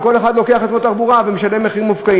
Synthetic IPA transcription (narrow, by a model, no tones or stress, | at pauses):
ko̞le̞χad̪lo̞ke̞aχat̪mot̪aʁbuʁavemeʃalemeχimufkai